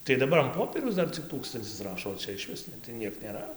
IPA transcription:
tɐɪ dɐˈbɐr ɐn ˈpoːpʲiɛrʲɛʊs ˈdɐr t͡sʲɪk ˈtuːkstɐnʲt͡sʲɪs ˈrɑːʃoː oː ˈt͡ʃʲɛ ɪʃʲˈʋʲɪs nʲɛ tɐɪ ˈnʲiɛk nʲeːˈrɐ

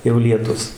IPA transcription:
jɛʊ lʲiɛˈtʊs

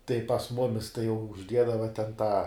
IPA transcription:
tɐɪ pɐs ˈmʊmʲɪs tɐɪ jɛʊ ʊʒʲˈdʲiɛdɐʋɐ tʲɛn tɑː

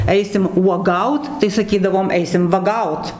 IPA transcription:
ˈɛɪsʲɪm uɔˈɡɐʊt tɐɪ sɐˈkʲiːdɐʋoːm ˈɛɪsʲɪm ʋɐˈɡɐʊt

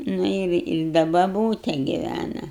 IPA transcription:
ˈnʊ ɪr ɪ ˈdɐ bɐˈbuːtʲɛ ɡʲɪˈʋʲænɐ

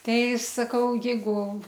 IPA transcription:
ˈtɐɪ sɐˈkɐʊ ˈjɛɪɡʊ

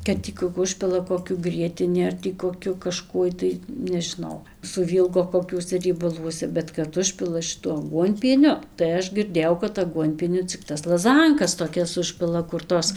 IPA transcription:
kɐt ˈtʲiː kʊ ˈʊʃʲpʲɪlˠɐ koːˈkʲʊ ˈɡrʲiɛtʲɪnʲɪ ɐr tʲiː koːˈkʲʊ kɐˈʃkuɔj tɐɪ nʲɛʒʲɪˈnɐʊ sʊˈʋʲiːlˠɡoː koːˈkʲuɔsʲɛ rʲiɛbɐˈlˠuɔsʲɛ bʲɛt kɐt ˈʊʃʲpʲɪlˠɐ ʃʲɪˈtuɔ ɐˈɡuɔnʲpʲiɛnʲʊ tɐɪ ˈɐʃ ɡʲɪrʲˈdʲeːjɛʊ kɐt ɐˈɡuɔnʲpʲiɛnʲʊ t͡sʲɪk ˈtɐs lˠɐˈzɐŋkɐs toːˈkʲɛs ˈʊʃʲpʲɪlˠɐ kʊr ˈtoːs

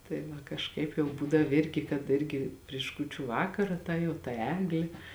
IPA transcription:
tɐɪ ˈʋɐ kɐʃˈkɐɪp jɛʊ ˈbuːdɐw ˈɪrʲɡʲɪ kɐt ˈɪrʲɡʲɪ pʲrʲɪʃ ˈkuːt͡ʃʲʊ ˈʋɑːkɐrɐ ˈtɐ jɛʊ tɐ ˈæːɡlʲeː

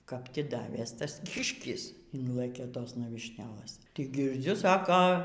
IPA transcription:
kɐp ˈtʲɪ ˈdɑːʋʲeːs ˈtɐs ˈkʲɪʃʲkʲɪs ˈɪnlˠɘkʲeː ˈtoːsnɐ ʋʲiːʃʲˈnʲæːlˠɘs tʲɪk ɡʲɪrʲˈd͡zʲʊ ˈsɑːkoː

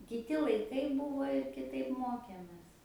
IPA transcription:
kʲɪˈtʲɪ lˠɐɪˈkɐɪ ˈbuːʋoː ɪ kʲɪˈtɐɪp ˈmoːkʲeːmʲeːs

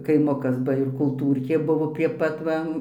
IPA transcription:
kɐɪˈmʊkɐs ˈbɐ ɪr kʊlˠˈtuːrʲkʲeː ˈbʊʋoː pʲrʲiɛ ˈpɐt ˈʋɐ

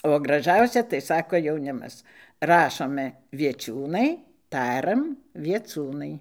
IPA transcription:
oː ɡrɐˈʒɐʊsʲɛ tɐɪ ˈsɑːkoː jɛʊˈnʲɪmɐs ˈrɑːʃoːmʲɛ ʋʲiɛˈt͡ʃʲuːnɐɪ ˈtɑːrɐm ʋʲiɛˈt͡suːnɐɪ

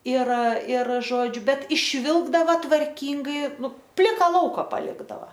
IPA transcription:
ɪr ɪr ˈʒoːd͡ʒʲʊ ˈbʲɛt ɪʃʲˈʋʲɪlˠɡdɐʋɐ tʋɐrʲˈkʲiːŋɡɐɪ ˈnʊ ˈpʲlʲɪkɐ ˈlˠɐʊkɐ pɐˈlʲɪɡdɐʋɐ

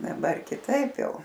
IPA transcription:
dɐˈbɐr kʲɪˈtɐɪp ˈjɛʊ

